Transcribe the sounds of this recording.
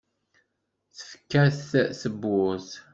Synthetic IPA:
θə̥fkːæθsəbːʊs

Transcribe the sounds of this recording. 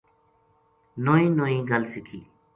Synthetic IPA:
noːĩːnoːĩːɡəlsɪkʰiː

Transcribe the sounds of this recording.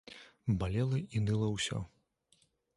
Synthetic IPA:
balʲɛlˠɐinɨlˠɐwsʲɔ̰

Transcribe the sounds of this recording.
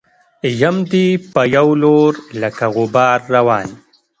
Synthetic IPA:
jamd̪ipəjawloɾlakaɣʊbɑːɾːawɑːn

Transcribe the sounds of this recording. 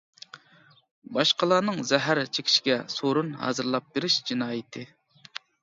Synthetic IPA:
bɑʃqəlˠɑːnɨŋzɛɦæɾt͡ʃʰekʲʰi̥ʃi̥ɡʲɛsoɾunɦɑ̰ːzɨɾlˠɑp̚beɾɪʃd͡ʒinɑːjɪt̪ʰɨ

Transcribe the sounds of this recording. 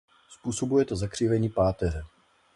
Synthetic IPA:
spuːso̞bujɛt̪ozakr̝̥iːvɛɲiːpaːt̪ɛrɛ

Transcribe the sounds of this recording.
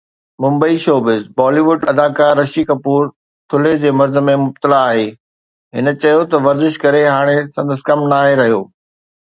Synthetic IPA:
mʊ̃mbəiʃoːbɪzbɔːliːʋʊɖɐd̪aːkaːɾːɐʃikɐpuːɾ | t̪ʰʊled͡ʑeːmɐɾzə̆mẽmʊb̚t̪əlaːɦeː | ɦɪnə̆t͡ɕɐjot̪ɐʋɐɾzɪʃkɐɾeɦaːɽ̃esɐ̃nd̪əskɐmnaːɦeɾɐɦijoː

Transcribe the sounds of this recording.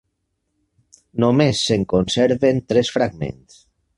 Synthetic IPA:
nomesːeŋkonsɛɾβent̪ɾɛsfɾaɡmḛ̃ns

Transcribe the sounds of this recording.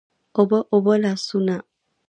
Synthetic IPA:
obɔʔobɔlasunã

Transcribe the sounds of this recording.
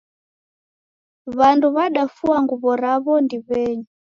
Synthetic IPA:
βanduβaɗafuaŋɡuβɔɾaβɔndiβɛːɲu

